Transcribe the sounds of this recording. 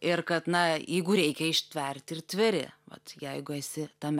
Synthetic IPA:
ɪrkɐt̪nɐjɛɪɡʊɾʲɛɪkʲɛɪʃʲt̪ʲʋʲɛrʲt̪ʲɪrt̪ʲʋʲɪɾʲɪ̰ʋɐ̰t̪jɛɪɡʊɛsʲɪt̪ɐmʲ

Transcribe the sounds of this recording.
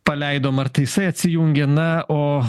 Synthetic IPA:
pɐlʲɛɪd̪oːmɐrt̪ɐɪjɪsɐɪɐt̪ʲsʲɪjuːŋʲɡʲɛnɐoː

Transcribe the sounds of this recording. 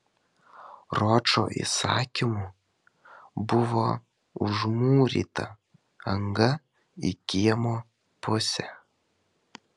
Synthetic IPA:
ɾoːt͡ʃo̰ʔḭsɑ̰ːkʲɪmu | bʊʋoː | ʊ̰ʒmuːɾʲḭːt̪ɐ̰ | ɐŋɡɐ | ḭkʲiɛmoː | pʊsʲɛ

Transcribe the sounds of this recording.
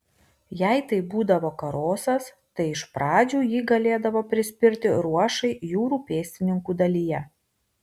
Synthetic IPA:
jɛɪt̪ɐɪbuːd̪ɐʋoːkɐɾoːsɐs | t̪ɐɪɪʃpɾɑːd͡ʒʲuːjiːɡɐlʲeːd̪ɐʋoːpʲɾʲɪsʲpʲɪɾʲt̪ʲɪɾuɔʃɐɪjuːɾuːpʲeːsʲt̪ʲɪnʲɪŋkuːd̪ɐlʲijɛ

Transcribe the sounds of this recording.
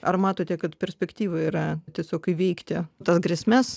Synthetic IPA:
ʔɐ̰rmɑːt̪oːt̪ʲɛkɐt̪pʲɛɾʲsʲpʲɛkt̪ʲiːʋɐiːɾɐt̪ʲiɛsʲoːkɪʋʲɛɪkt̪ʲɪt̪ɐsɡɾʲɛsʲmʲɛs

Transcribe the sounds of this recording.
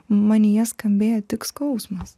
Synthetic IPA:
mɑnʲɪjɛskɐmʲbʲeːjot̪ʲɪkskɐʊsmɐs

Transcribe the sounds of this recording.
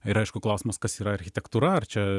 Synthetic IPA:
ɪɾɐɪʃkʊklˠɐʊsʲɪːmɐskɐsiːɾɐɐɾʲxʲɪt̪ʲɛkt̪uːɾɐɐrt͡ʃʲɛ

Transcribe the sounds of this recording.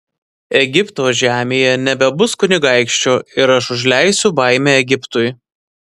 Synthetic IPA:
ɛɡʲɪpt̪oːʒʲæːmʲeːjɛnʲɛbʲɛbʊskʊnʲɪɡɑˑɪkʃʲt͡ʃʲoːɪɾɐʃʊʒʲlʲæɪsʲʊbɐˑɪmʲeːɛɡʲɪpt̪ʊj

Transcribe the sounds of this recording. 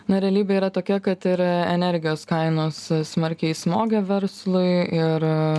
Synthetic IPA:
nʊɾʲɛɐlʲiːbʲeiːɾɐt̪oːkʲɛkɐt̪ɪɾɛnʲɛɾʲɡʲɪjoːskɐɪnoːssmɐɾʲkʲɛɪsmoːɡʲɛʋʲɛɾslˠʊɪɪɾ

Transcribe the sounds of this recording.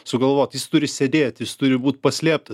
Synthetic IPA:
sʊɡɐlˠʋoːt̪jɪst̪ʊɾʲɪsʲɛd̪ʲeːt̪ʲjɪst̪ʊɾʲɪbuːt̪̚ʲpɐsʲlʲiɛp̚t̪ɐ

